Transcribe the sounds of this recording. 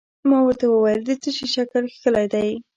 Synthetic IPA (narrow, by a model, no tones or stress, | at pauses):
mɑwəɾt̪awəwajəld̪ət͡sət͡ʃeʃakəlxkəlajd̪aj